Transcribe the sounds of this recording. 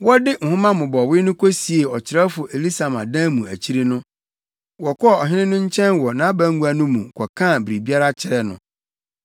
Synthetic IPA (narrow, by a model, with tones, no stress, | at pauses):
wɔ˦dɪ˦ŋ̩˨hʊ̃˦mã˦mʊ̃˨bɔ˨wɪ˦nʊ̃˦kʰo˦si˨e˨ɔ˨t͡ɕʰɪ˨ɾɛ˦fʊ˨ʔe˨li˦sa˨mã˨dã˦mũ˨æ˨t͡ɕʰi˦ɾi˦nʊ̃˦ | wɔ˨kʰɔ˦˨ɔ˨ɦɪ̃˦nɪ̃˦nʊ̃˦ɲ̩˦t͡ɕʰɛ̃˦nwɔ˨nã˨˦bæ̃˦ŋɡu˦a˨nʊ̃˦mṵ̃˨kʰɔ˨kʰã˦˨bi˨ɾi˨bi˦a˦ɾa˦t͡ɕʰɪ˨ɾɛ˨nʊ̰̃˨